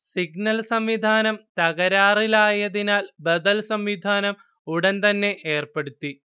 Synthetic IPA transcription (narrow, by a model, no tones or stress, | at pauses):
siɡnɐlsɐmʋid̪ʱaːnɐmt̪ɐɣɐɾaːrilaːjɐðinaːlbɐd̪ɐlsɐmʋid̪ʱaːnɐm | uɽɐnt̪ɐnːe̞ʔeːrpeɽut̪ːi